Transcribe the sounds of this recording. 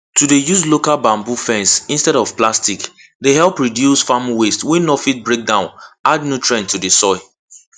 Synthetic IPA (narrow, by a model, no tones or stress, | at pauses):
tudejuslokalbãmbufɛ̃nsĩnstɛɾɔv̥plastik | deɦɛlˠpɹidjusfamwestwinɔfit̚bɹek̚dãʊ̃nadnutʰɹɛ̃ntʰudesɔɪ